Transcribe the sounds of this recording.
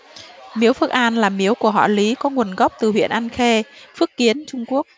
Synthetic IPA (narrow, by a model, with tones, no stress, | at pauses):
mi˨˦əwfɨ˦˥ək̚ʔaː˧nlaː˨˩mi˨˦əwku˧˩əɦɔ̰˧˨li˨˦kɔ˨˦ŋu˨˩ənɣa˦˥wk͡p̚t̪ɨ˨˩ɦwḭ˧˨ənʔaː˧nxe˧fɨ˦˥ək̚ːi˨˦ənt͡ɕʊ˧ŋ͡mku˦˥ək̚